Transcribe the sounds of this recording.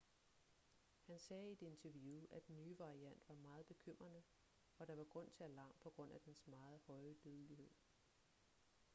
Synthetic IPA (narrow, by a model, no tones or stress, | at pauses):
hænsɛːid̥e̝e̝nt͡sʰæɐʋjuːʔæd̥enːyːʋɑ̈ʁiæn̰d̥ʋɑ̈mɑ̈ːð̩ˠb̥e̝kʰøm̰ʁɐnə | ɒ̽ɾ̥ɑ̈ʋɑ̈ɡ̥ʁɔ̽n̰t͡sʰe̝ælɑ̈ːmpʰɒ̽ɡ̥ʁɔ̽n̰æd̥ensmɑ̈ːð̞̩ˠhɒ̽ɪəd̥øð̞ˠlihe̝ð̰ˠ